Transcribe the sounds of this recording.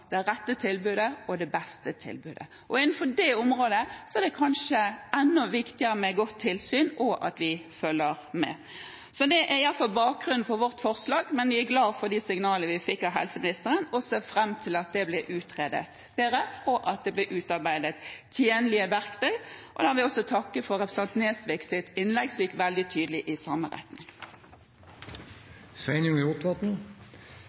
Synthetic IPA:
d̪̥ɛɾɛt̪ːət̪ʰɪlbʉːd̪əɔd̪ɛbɛst̪ət̪ʰɪ̰lbʉːd̪ə | ʔɔɪnn̩fɔdɛʊmɾoːd̪əsɔɛɾd̪ɛkʰɑnʂəɛnːʊʋɪkt̪ɪəɾəmɛɡɔt̪ʰːɪlsyːnʔɔʔɑ̰t̪ʋɪfœlːəɾmɛ̰ | sɔd̪ɛʔæɾɪjɑlfɑlbɑːk̚ɡɾʉnn̩fɔɾʋɔʁt̪fɔʁslɑːɡmɛnʋɪæɾɡlɑːfɔɾd̪isɪŋnɑːləəʋɪfɪkːɑɦɛ̰lsəmɪnɪst̪əɾənɔseːfɾɛmːt̪ʰɪlɑt̪̚d̪ɛblɛʔʉːt̪ʁeːd̪ə̰t̪ | b̥eːɾəpɔʔɑt̪̚d̪ɛblɛʔʉːt̪ɑʁbæɪd̪ət̪ːʰjeːnlɪəʋæɾkt̪ʰœʏʔɔd̪æhæʋɪɔsɔt̪ʰɑkːəfɔɾɛpɾəsɛnt̪neːsʋɛksɪt̪ɪnlɛɡsɔmjɪkːʋɛld̪ɪt̪ʰyːd̪əlɪʔɪsɑːməʁɛ̰t̪nɪŋ | sæɪnʊŋʊt̪ʋɑt̪n̩

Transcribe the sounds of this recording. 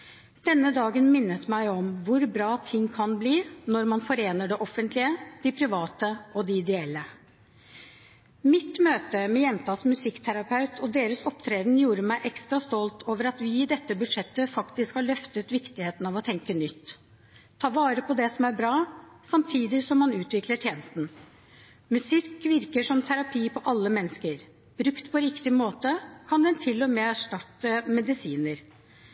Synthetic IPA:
d̪̥ɛnːəd̪ɑːɡənmɪnːət̪mæɪɔmʋʊɾbɾɑːt̪ʰɪŋːkʰɑnbliːnɔɾmɑnfɔɾeːnəɖɛʔɔfənt̪lɪəd̪ɪpʰɾɪʋɑːt̪əɔd̪ɪɪd̪ɛɛlːə | mɪt̪møːt̪əmɛjɛnt̪ʰɑːsmʉsɪkːt̪ʰæɾɑpʰɑʉt̪ʰɔd̪eːɾəsɔpt̪ʰɾeːd̪n̩juːɾəmæɪʔɛkst̪ɾɑst̪ɔlt̪ʰoːʋəɾɑt̪ʋɪːd̪ɛt̪ːəbʉd̪ʂɛt̪ːəfɑkt̪ɪskhɑɭœft̪ət̪ʋɪkt̪ɪheːt̪n̩ɑːʋɔt̪ʰɛŋkənʏt̪ʰː | ɑːʋɑːɾəpʰɔd̪ɛsɔmæɾbɾɑː | sɑmt̪ʰiːd̪ɪsɔmːɑnʉːt̪ʋɪkləʈʰjeːnəst̪n̩ | mʉsɪkːʋɪɾkəʂɔmt̪ʰæɾɑpʰiːpʰɔʔɑlːəmɛnːəskəɾ | b̥ɾʉkt̪pʰɔɾɪkt̪ɪmoːt̪əkʰɑnd̪ɛnt̪ʰɪlːɔmeːæʂʈɑt̪ːəmɛd̪ɪsiːnəɾ

